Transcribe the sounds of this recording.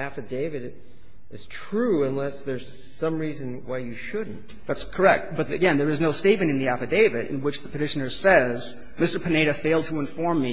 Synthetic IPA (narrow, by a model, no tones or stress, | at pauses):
æfɨdeɪvɨɾ | ɨz̥tʰɹ̥uə̃nlɛsðə˞z̥ | sʌ̃mɹizɨ̃nwaɪjɨʃʊdⁿn̩t | ðætskʰə˞ɛk̚t̚b̥ʌt̪̚ðɨ̰ɡɛ̃nðə˞ɨznoʊsteɪt̚mɨ̃ɾ̃ɨ̃nðiæfɨdeɪvɨɾɨ̰̃nwət͡ʃðəpʰɨtɪʃɨnə˞sɛz | mɪstə˞pʰɨneɪɾɨfeɪlˠd̚tʰəə̃ɱfɔɹmːi